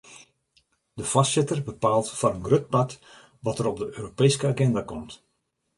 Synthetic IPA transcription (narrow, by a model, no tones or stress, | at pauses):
dəfassɪtərbəpaːlˠtfɔnənɡrøt̚pat | ʋɔtəɾɔb̚dəʔøːɾopeːskəaːɡɛndakɔmt